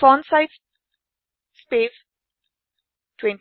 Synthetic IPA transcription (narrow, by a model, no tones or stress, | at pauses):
ɔ̃nsaɪt | spev | tʰwɛ̃n